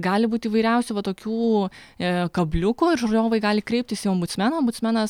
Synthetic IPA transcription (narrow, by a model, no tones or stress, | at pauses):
ɡɑːlʲɪbuːt̪ʲiːʋɐɪɾʲɛʊsʲuːʋɐt̪oːkʲuː | kɐbʲlʲʊkuɪɾʒojʲoːʋɐɪɡɑːlʲɪkɾʲɛɪp̚ʲt̪ʲɪsiɔmbʊt̪sʲmʲɛnɐːɔmbʊt̪sʲmʲɛnɐs